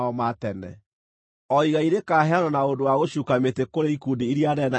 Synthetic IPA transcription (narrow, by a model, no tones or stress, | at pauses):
ɔmatɛnɛ̰ | ɔiɣaiɾekaːɦɛanɔnaondowaɣoɕuːkametekoɾeikudiːɾiaɾɛna